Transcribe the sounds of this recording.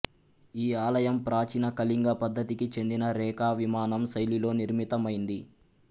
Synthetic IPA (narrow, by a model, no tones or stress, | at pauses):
iːaːlɐjɐmpɾaːt͡ʃinɐkɐliŋɡɐpɐd̪ʱːɐt̪ikit͡ʃe̞nd̪inɐɾɛːkaːʋimaːnɐmsɐjlilo̞ːniɾmit̪ɐmɐjind̪i